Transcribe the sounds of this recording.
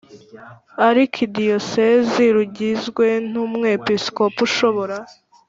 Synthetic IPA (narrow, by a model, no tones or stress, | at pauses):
aɾikʰidijo̞seziɾuɟizɡwe̞n̥uːmŋepisko̞puʃo̞βo̞ɾa